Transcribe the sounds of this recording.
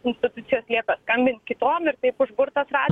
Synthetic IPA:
ɪnʲsʲt̪ʲɪt̪ʊt̪sʲɪjoːslʲiɛkɐskɐmʲbʲɪnt̪kʲɪt̪oːmɪɾt̪ɐɪpʊʒbʊɾt̪ɐsrɑː

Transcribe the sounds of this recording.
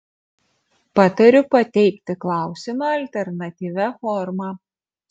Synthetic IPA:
pɑːt̪ɐɾʲʊpɐt̪ʲɛɪkʲt̪ʲɪklˠɑˑʊsʲɪmɐɐlʲt̪ʲɛɾnɐt̪ʲiːʋʲæfɔɾmɑː

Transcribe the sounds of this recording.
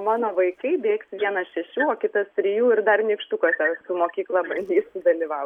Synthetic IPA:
mɑːnoːʋɐɪkɐɪbʲeːksʋʲiɛnɐsʃʲɛʃʲuːoːkʲɪt̪ɐst̪ʲɾʲɪjuːɪɾd̪ɐrnʲiːkʃt̪ʊkoːsʲɛsʊmoːkʲiːklˠɑbɐnʲd̪ʲiːsd̪ɐlʲiːʋɐʊ

